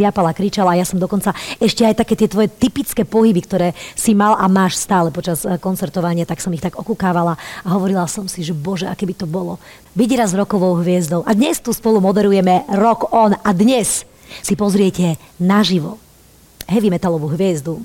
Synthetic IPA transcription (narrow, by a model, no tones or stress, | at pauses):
ɪapalakɾit͡ʃalaːjasɔmd̪ɔkɔnt͡saɛʃcɛajt̪akɛːt̪ɪɛt̪ʋɔjɛt̪ipit͡skɛːpɔɦibikt̪ɔɾɛːsimalʔa̰maːʃst̪aːlɛpɔt͡ʃaskɔnt͡sɛɾt̪ɔʋaɲɪat̪aksɔmixt̪aɡɔkukaːʋalaaɦɔʋɔɾilasɔmsiʒɛbɔʒɛʔa̰kɛbit̪ɔbɔlɔ | biɟɾazɾɔkɔʋɔʊɦʋɪɛzd̪ɔʊʔad̪ɲɛst̪uːspɔlumɔd̪ɛɾujɛmɛɾɔkɔnad̪ɲɛs | sipɔzɾɪɛcɛ | naʒiʋɔ | ɦɛʋimɛt̪alɔʋuɦʋɪɛzd̪u